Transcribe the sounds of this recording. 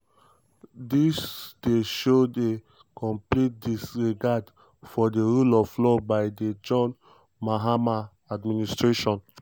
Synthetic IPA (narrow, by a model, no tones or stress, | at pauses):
disd̥eʃode | kɔ̃mplit̚disɹiɡad | fɔdeɹulɔflɔbaɪded͡ʒɔ̃n | maɦama | administɹeʃɔ̃n